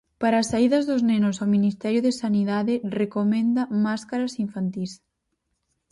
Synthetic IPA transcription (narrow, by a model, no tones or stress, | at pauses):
paɾaːsaiðɐzðʊznenʊsaminist̪ɛɾjʊðesaniðaðɪrekomẽnd̪ɐmaskaɾɐsiɱfant̪is